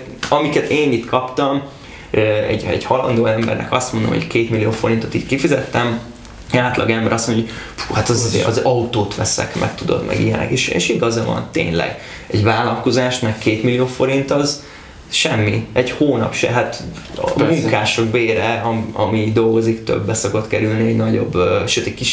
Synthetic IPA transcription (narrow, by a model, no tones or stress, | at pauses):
ɒmikɛt̪eːnit̪kʰɒpt̪ɒm | øɛ̰ɟɛ̰ɟhɒlɒ̰nd̪oːɛmbɛ̰rnɛ̰kɒst̪mond̪omho̰ckeːt̪milijoːfo̞ɾint̪o̞t̪iːc̪kifizɛt̪ːɛm | aːt̪lɒɡɛmbɛɾʔɒsmonofuːhat̪ɒzzeɒzɒut̪oːt̪ʋɛsɛ̰kmʔɛ̰kt̪ud̪o̞̰d̪mɛ̰ɡḭjɛnlɛ̰ɡeːʃḛːʃiɡɒzɒvɒ̰nt̪ḛːɲlɛ̰ɡ | ɛɟvaːlɒlko̞zaːʃmɛkkːeːt̪milːijoːfo̞ɾint̪ɒz | ʃɛmːiɛɟhoːnɒ̰pʃɛ̰ɦat̪ | muŋkaːʃoɡbeːɾɛɒɒmid̪o̞lɡo̞zikt̪ø̰bːɛsoko̞t̪kɛɾylniɛɟnɒɟo̞̰bːʃøːt̪ɛckiʃ